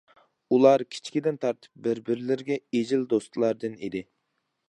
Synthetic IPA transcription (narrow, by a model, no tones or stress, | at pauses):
ulˠɑɾkʲʰi̥t͡ʃʰkʲid̪ɪnt̪ʰɑɾt̪ʰɨ̥p̚bɪɾbɪɾɪlɪɾɡʲɛed͡ʒɪld̪ost̪ʰlˠɑɾd̪ɨnḭd̪ɪ